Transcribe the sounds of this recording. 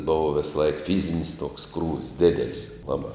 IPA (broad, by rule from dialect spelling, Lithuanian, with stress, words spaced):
ˈboːʋɐ ʋʲɪsˈlˠɐɪk ˈfʲiːzʲɪnʲɪs toːks ˈkruːʋʲɪs ˈdʲæːdʲɛlʲɪs ˈlˠɑːbɑː